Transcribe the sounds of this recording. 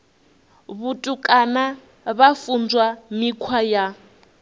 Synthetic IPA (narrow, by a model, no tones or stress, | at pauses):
βutʼukʼana | βafund͡zwamikʰwaja